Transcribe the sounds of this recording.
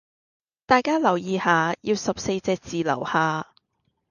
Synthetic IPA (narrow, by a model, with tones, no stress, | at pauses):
t̪aː˨˧jkaː˥lɐ˨˩wjiː˨haː˨˧jiː˧wsɐ˨p̚se˧jt͡sɛː˧k̚t͡siː˨lɐ̰˨˩whaː˨˧